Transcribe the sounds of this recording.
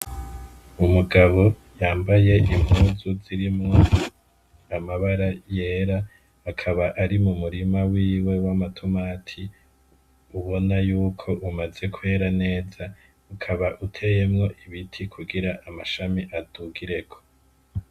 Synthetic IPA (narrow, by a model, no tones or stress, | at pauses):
umuɡaβo̞ | jaːmbaje̞ʔim̥huːzuziɾimŋo̞ | amaβaɾaje̞ːɾaː | kʰaβaʔaɾimumuɾimawiːwe̞wamatʰomaːtʰi | uβo̞najuːkʰo̞ʔumaze̞kwe̞ːɾane̞ːza | ukʰaβaʔutʰe̞je̞mŋo̞ʔiβitʰikʰuɡiɾaʔamaʃamiʔad̥uɡiɾe̞ɡo̥